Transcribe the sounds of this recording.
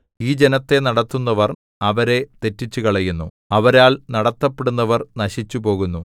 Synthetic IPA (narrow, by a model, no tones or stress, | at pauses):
iːd͡ʑe̞nɐt̪ːe̞nɐɽɐt̪ːunːɐʋɐr | ɐʋɐɾe̞t̪e̞tːit͡ɕːukɐɭɐjunːu | ɐʋɐɾaːɭnɐɽɐt̪ːɐpːe̞ɽunːɐʋɐrnɐɕit͡ɕːupo̞ːɣunːu